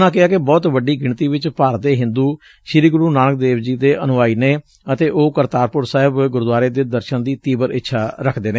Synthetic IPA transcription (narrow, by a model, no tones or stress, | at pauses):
nãːk̬ɪaːkɪbɔːt̪ʋəɖiːɡɪɳt̪iːʋɪt͡ʃpaːɾd̪eːɦɪ̃nd̪uː | ʃɪɾiːɡʊɾuːnaːnək̚d̪eːʋd͡ʒiːd̪eːʔənʊʋaːiːneː | ət̪eːʔoːkəɾt̪aːɾpʊɾsaːɦɪbɡʊɾd̪ʊaːɾeːd̪eːd̪əɾʃənd̪iːt̪iːbəɾɪtːʃʰaːɾəkʰd̪eːneː